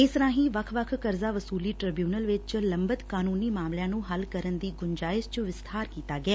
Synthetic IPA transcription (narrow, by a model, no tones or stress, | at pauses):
ɪsɾãːɦĩːʋəkʰʋəkʰkəɾzaːʋəsuːliːʈɾəːbjuːnəlʋɪt͡ʃt͡ʃləmbət̪kaːnuːniːmaːmljãːnũːɦəlkəɾənd̪iːɡʊnd͡ʒaːɪst͡ʃʋɪst̪ʰaːɾkiːt̪aːɡɪɛː